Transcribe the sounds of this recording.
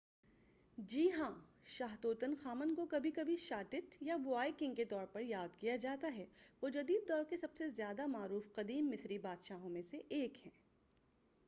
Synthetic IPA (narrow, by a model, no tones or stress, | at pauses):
d͡ʒiːɦãʃaːɦt̪oːt̪ənxaːmənkokɐbʱikɐbʱiʃaːʈɪʈjabʊaːikɪ̃ŋɡket̪ɔːɾpɐɾjaːd̪kijad͡ʒaːt̪aɦɛːʋoːd͡ʒɐd̪iːd̪̚ːɔːɾkesɐbsezjaːd̪amaːɾuːfqɐd̪iːmːɪsɾibaːd̪ʃaːɦõmẽseʔeːkhɛ̃ː